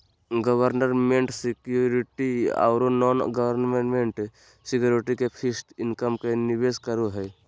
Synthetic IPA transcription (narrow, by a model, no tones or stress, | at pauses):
ɡəwəɾnəɾmẽɳʈsɪkjuɾɪʈia̰ːɾonɔːnɡəwəɾnmenmẽɳʈ | sɪkjuːɾɪʈikepʰɪst̪ɪnkəmkenɪʋeːskəɾoɦɛː